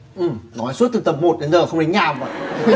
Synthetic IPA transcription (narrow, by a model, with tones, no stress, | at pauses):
ʔɨ˨˩mnɔ˨˦jsu˦˥t̚t̪ɨ˨˩t̪ə˨˩p̚mo˨˩t̚ɗe˨˦nzəː˨˩xə˧ŋ͡mne˨˦n̟ɲaː˧˩˨və̰˧˨jʔ